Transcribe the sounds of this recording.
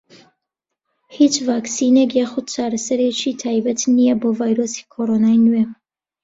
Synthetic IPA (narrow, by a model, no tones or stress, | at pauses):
hit͡ʃvaːksiːnekjaːxʊd̪̚t͡ʃʰaːɾɐsɐɾet͡ʃʰiːt̪ʰaːjbɐt̪ʰnijɛboːvaːjɾoːsi̥ːkʰoːɾonaːjnwɛ